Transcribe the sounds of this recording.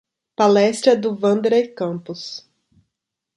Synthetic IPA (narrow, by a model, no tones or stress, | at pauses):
palɛst̪ɾɐd̪ʊvɐ̃nd̪eɾɐɪkɐ̃pʊs